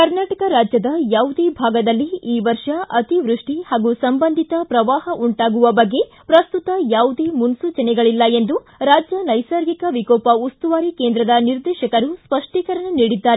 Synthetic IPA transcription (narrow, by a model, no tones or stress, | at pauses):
kɐɾnaːʈɐkɐɾaːd͡ʒjɐd̪ɐjaːwud̪eːbʱaːɡɐd̪ɐlːiiːʋɐɾʂɐʔɐt̪iʋɾuʂʈihaːɡusɐmbɐnd̪ʱit̪ɐpɾɐʋaːɦɐʔuɳʈaːɡuʋɐbɐɡːe̞ | pɾɐst̪ut̪ɐjaːwud̪eːmunsuːt͡ʃɐnɛɡɐɭilːɐe̞nd̪u | ɾaːd͡ʒjɐnɐjsɐːɾɡikɐʋikoːpɐust̪uʋaːɾikeːnd̪ɾɐd̪ɐniɾd̪ɛːʃɐkɐɾuspɐʂʈiːkɐɾɐɳɐniːɽid̪ːaːɾe